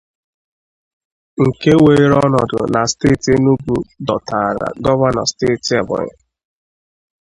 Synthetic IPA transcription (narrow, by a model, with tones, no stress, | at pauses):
ŋ̩˨ke˦we˨˦ɾɔ˦nɔ˨dʊ̰˨na˨ste˦˨te˦nu˦ɡu˨dɔ˨tʰa˨ɾa̰˨ɡɔ˦va˦nɔ˨steː˦˨ta˨bʊ̰˨ɲɪ̰˦˨